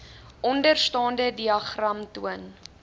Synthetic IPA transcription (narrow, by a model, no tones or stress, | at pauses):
ʔɔndərstɑːndədiɐχrɐmtuən